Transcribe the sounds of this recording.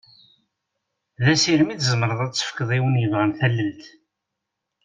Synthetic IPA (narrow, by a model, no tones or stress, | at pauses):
ðæsiɾmiθzəmɾˤəðˤæt͡sːə̥fkəðˤiwənjəvʁənθælːəlt̪